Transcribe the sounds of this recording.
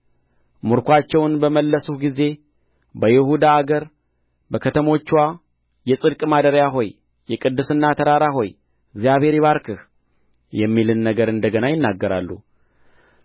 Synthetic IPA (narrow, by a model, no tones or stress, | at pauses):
muɾkʷat͡ʃːɛwnbəməlːəsuhɡize̞ | bəjɪhud̪aːɡəɾ | bəkʰət̪ʰəmo̞t͡ʃːwa | jɛsʼɨd̪kʼmad̪əɾjaɦo̞jː | ɛkʼɨd̪ːɨsɨnːat̪ʰəɾaɾaɦo̞j | ɪɡzijaβhe̞ɾiβaɾkʰɨh | jɛmːilɨnːəɡəɾɨnd̪əɡənajɪnːaɡːəɾa̰lːṵ